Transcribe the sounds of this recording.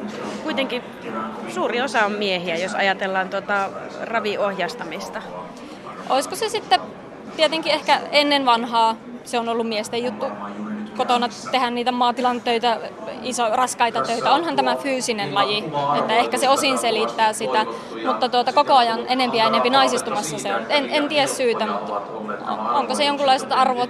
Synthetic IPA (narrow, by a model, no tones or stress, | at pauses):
kuit̪eŋki | suːriosɑommiehiæjosɑ̰jɑt̪elːɑːnt̪uot̪ɑ | rɑʋiohjɑst̪ɑmist̪ɑ | ʔo̰iskosesit̪ːe | t̪iet̪eŋkiehkæenːenʋɑnhɑː | seonolːumiest̪ejjut̪ːukot̪onɑt̪ehænniːt̪æmɑːt̪ilɑnt̪øit̪æ | isorɑskɑit̪ɑt̪øit̪æonhɑnt̪æmæfyːsinenlɑjiet̪ːæehkæseosinselit̪ːæːsit̪æ | mut̪ːɑt̪uot̪ɑkokoɑjɑnʔenempiæenempinɑisist̪umɑsːɑseonyt̪enent̪iæssyːt̪æmut̪ | o̰oŋkosejoŋkulːɑiset̪ɑrʋot̪